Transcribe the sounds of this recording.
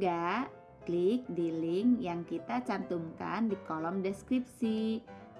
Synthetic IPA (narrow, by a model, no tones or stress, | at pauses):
ɡa | klik̚dilɪŋjaŋkit̪at͡ʃant̪uŋka̰ndikɔlɔmdeskɾip̚si